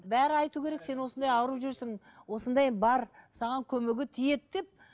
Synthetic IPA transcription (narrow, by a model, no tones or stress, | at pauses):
bæɾɪɑjt̪ukʲʰe̞ɾe̞kse̞nwo̞sənd̪ɑjɑwəɾupʒʏɾsɪŋ | wo̞sənd̪ɑjbɑɾsɑʁɑŋkʲʰɵmeɡʲɪt̪ʰije̞t̪d̪e̞p̚